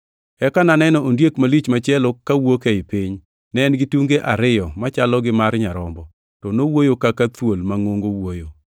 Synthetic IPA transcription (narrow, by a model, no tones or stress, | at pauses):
ɛkananɛnɔondjekmalit͡ʃmat͡ʃɛlokawokeɪpiɲ | nɛnɡɪtuŋɡeʔaɾɪjɔmat͡ʃalɔɡɪmaɾɲaɾɔmbɔ | tɔnowojokakat̪wolmaŋoŋɡowojo